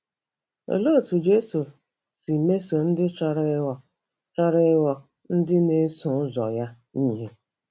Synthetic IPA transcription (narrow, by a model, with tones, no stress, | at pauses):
o̰˨lo˦˨tu˨d͡ʒe˦su˨ | si˨me˦so˨n̩˦dɪ˦t͡ʃa˨ɾɪ˦ɔ˨ | t͡ʃa˦ɾɪ˦wɔ˨ | n̩˦dɪ˦ne˦sũ˨ʊ˦zɔ̰˨ja˦ | ni˦ɦe˦